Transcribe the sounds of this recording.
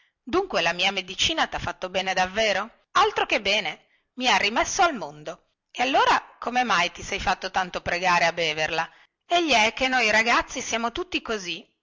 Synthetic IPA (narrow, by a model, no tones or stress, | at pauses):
d̪uŋkwelamiːamed̪it͡ʃiːnat̪afːat̪ːobɛːned̪avːeːɾo | alt̪ɾokebːɛːne | miarːimesːoalmond̪o | ealːoːɾakomemajt̪isɛjfat̪ːot̪ant̪opɾeɡaːɾeabːeːverla | eʎːiɛk̟ːenːojɾaɡat̪sːisjaːmot̪ut̪ːikozi